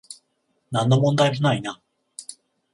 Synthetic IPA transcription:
nãnːomõ̞nd̪aimonaina

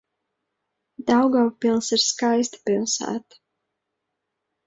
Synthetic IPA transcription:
d̪̥awɡawpilˠsiɾskajst̪ḁpilˠsæ̰ːt̪ḁ

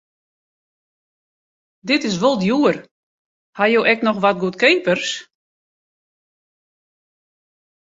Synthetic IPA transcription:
dɪtɪs̬ʋolˠdjuər | hajoːʔɛknɔxʋat̚ɡuətkeːpərs

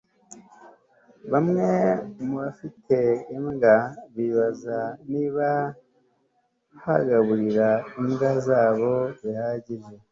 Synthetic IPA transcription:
βamŋe̞muβafitʰe̞ːmɡaβiːβazaniːβa | haɡaβuɾiɾaimɡazaːβo̞zihaːɟiʒe̞

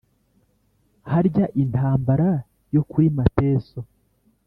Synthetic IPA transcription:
haɾɟaʔintaːmbaɾa | jo̞kuɾimate̞ːso̞

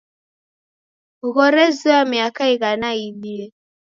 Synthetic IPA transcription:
uɣɔɾɛzuamiakaiɣanaiɗiɛ

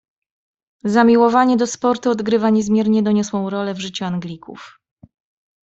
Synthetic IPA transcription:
zamʲiwɔvaɲɛd̪ɔspɔɾt̪uɔd̪ɡɾɘvaɲɛzmʲjɛɾɲɛd̪ɔɲɔswɔ̃w̃ɾɔlɛvʐɘt͡ɕuaŋɡlʲikṵf

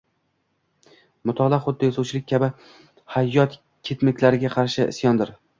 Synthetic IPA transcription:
mʊt̪ʰɒlˠaχʊd̪ːɪjɒsawt͡ʃʰɪlɪkʲʰabɪ | hajːɒt̪ | kʲʰet̪mɪkʲlaɾɪɡʲaqʰɑɾʃɪʔɪ̰sjɒnd̪ɪɾ

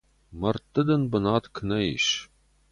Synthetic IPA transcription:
mɐrt̪ːɨd̪ɐnbənɑːt̪kʰnɐḭʃ

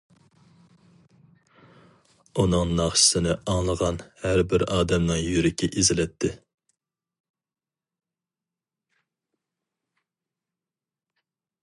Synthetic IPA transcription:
unɨŋnɑχʃɪ̥sɪnɪɑŋlˠəʁɑnhæɾbɪɾɑːd̪ɛmnɨŋjyɾɪkʲɪʔezɪlɛt̪ʰːɪ

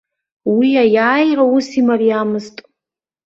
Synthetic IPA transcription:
wiajaːjrausimariamɨztʼ

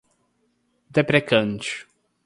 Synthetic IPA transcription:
d̪epɾekɐ̃nt͡ʃʊ̥

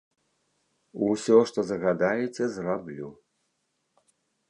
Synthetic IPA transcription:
usʲɔʂt̪ɔzɐɣad̪ajɛt͡sʲɛzrablʲu

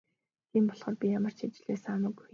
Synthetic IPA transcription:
t̪ʰiːmpɔɮʁɔːrpʲijamə̆r̥t͡ɕʰit͡ɕɪ̆ɮeːsamə̆ɡuj

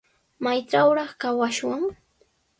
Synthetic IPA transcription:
majt͡ʃawɾɑχkawaʃwaŋ

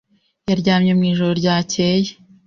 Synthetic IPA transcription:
jaɾɟaːmɲemŋiːʒoɾoɾɟaːcʰe̞je

